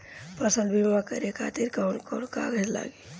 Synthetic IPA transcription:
pəsə̃nd̪bʱibʋakə̰ɾekʰaːt̪iɾkankɔnkaːɡəd͡ʒla̰ːɡiː

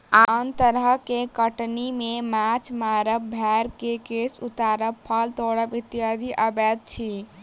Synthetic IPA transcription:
ant̪əɾəkekəʈnimemat͡ʃʰmaɾəbbʱɛɾkekesut̪aɾəbpʰəlt̪oɽəbit̪ijad̪ʱiʔəbɛt̪̚t͡ʃʰi

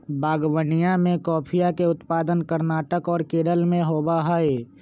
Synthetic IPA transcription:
baːɡwənijamẽkɔːpʰijakeʊt̪paːd̪ənkəɾnaːʈəkɔːɾkeːɾəlmẽɦoːbaɦae

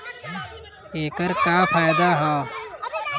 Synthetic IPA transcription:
eːkəɾkaːpʰaːjd̪aɦɛː

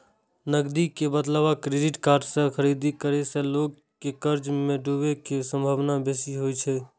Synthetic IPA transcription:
nəɡd̪ikebəd̪laʋakɾeɖiʈkaːɾɖsẽkʰəɾid̪ikəɾesẽloːɡ | kːekəɾd͡ʒmẽɖubekesə̃mbʱaːʋnabesiɦojt͡ʃʰɛ

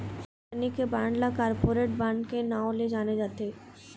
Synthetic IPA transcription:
nikebaɳɖlakaɾpoɾeʈ̚baɳɖkenaoled͡ʑaned͡ʑat̪e

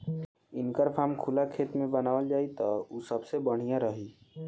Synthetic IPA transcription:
ɪnkəɾpʰaːmkʰʊlakʰeːt̪mẽbənaːʋəld͡ʒaːit̪ɔusəbsebəɽ̤ijãɾəɦiː

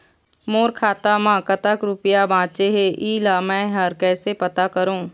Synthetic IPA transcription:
moːɾkʰaːt̪amãːkɐt̪akɾʊpɪjabʱãːt͡ʃeɦeʔiːlamɛ̃ɦɐɾkɛːsepɐt̪akɐɾõː

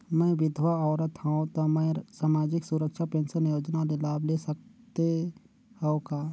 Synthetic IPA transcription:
mɛ̃ʋɪd̪ʱʋaɔːɾət̪ɦaõt̪omə̃saːmaːd͡ʒɪksuɾəkʃapẽːnsənjoːd͡ʒnalelaːblesək̚t̪e | hɛõkaː

